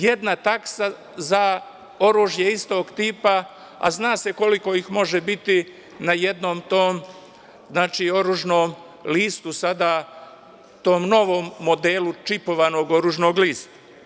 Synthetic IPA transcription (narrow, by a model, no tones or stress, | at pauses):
je̞d̪nat̪aksa | za | o̞ɾuːʒjeist̪o̞ːɡt̪iːpa | a̰znaːseko̞liko̞ixmo̞ʒebit̪i | naje̞d̪no̞ːmt̪oːm | znaːt͡ʃiːo̞ɾuːʒnoːm | liːst̪usad̪a | t̪o̞ːmno̞ʋo̞ːmːo̞d̪e̞ːlut͡ʃipo̞ʋano̞ɡo̞ɾuːʒno̞ːɡliːst̪ḁ